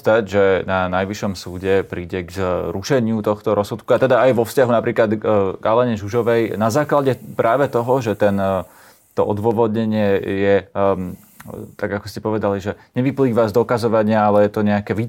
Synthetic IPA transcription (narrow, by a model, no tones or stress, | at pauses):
t̪aɟʒɛnanajʋiʃɔmsuːɟɛpɾiːɟɛɡzɾuʃɛɲɪut̪ɔxt̪ɔɾɔsut̪kuat̪ɛd̪aːjʋɔfscaɦunapɾiːklad̪ɡalɛɲɛʒuʒɔʋɛjnazaːklaɟɛpɾʔaːʋɛt̪ɔɦɔʒɛt̪ɛn | t̪ɔʔɔd̪ʋɔʋɔd̪ɲɛɲɪɛjɛ | t̪aɡakɔscɛpɔʋɛd̪aliʒɛɲɛʋipliːʋazd̪ɔkazɔʋaɲɪaalɛjɛt̪ɔɲɛakɛʋiː